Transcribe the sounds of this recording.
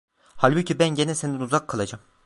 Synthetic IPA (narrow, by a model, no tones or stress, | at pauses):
halʲbucibænɟenɛseninuzakʰːalˠad͡ʒam